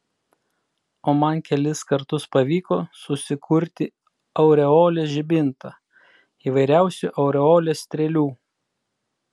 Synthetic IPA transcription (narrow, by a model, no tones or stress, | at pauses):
oːmɐnkʲɛlʲɪskɐɾt̪ʊspɐʋʲiːkoːsʊsʲɪkʰʊɾʲt̪ʲɪ | ɐʊɾʲɛoːlʲeːʒʲɪbʲɪnt̪ɐ | iːʋɐɪɾʲæˑʊsʲʊʔɐʊɾʲɛoːlʲeːsʲt̪ʲɾʲɛlʲuː